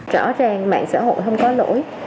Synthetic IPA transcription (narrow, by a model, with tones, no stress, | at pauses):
t͡ɕɔ˧˩zaː˧ŋma̰ː˧˨ŋsa̰ː˧˥˩ho̰˧˨jɦə˧wŋ͡mkɔ˨˦lo̰˧˥j